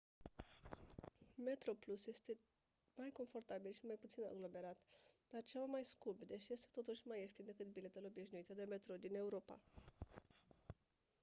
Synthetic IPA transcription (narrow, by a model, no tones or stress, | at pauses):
me̞t̪ɾo̞plusje̞st̪e̞ | majko̞nfo̞rt̪abilʃimajput̪sina̰ɡlo̞me̞ɾat̪d̪̥art͡ʃevmajskumbd̪e̞ʃje̞st̪e̞̥t̪o̞t̪uʃʲmajeʃt̪ind̪e̞kɨt̪bile̞t̪uleo̞biʃnuit̪əd̪e̞me̞t̪ɾo̞d̪ine̞uɾo̞pa̰